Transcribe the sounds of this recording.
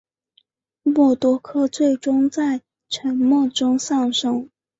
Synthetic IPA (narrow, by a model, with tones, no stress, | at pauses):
mɔ˥˩t̪wɔ˥kʰɤ˥t͡swe˥˩ɪʈ͡ʂʊ˥ŋt͡sa˥˩ɪ | ʈ͡ʂʰə˧˥nmɔ˥˩ʈ͡ʂʊ˥ŋsɑ˥˩ŋʂɤ˥ŋ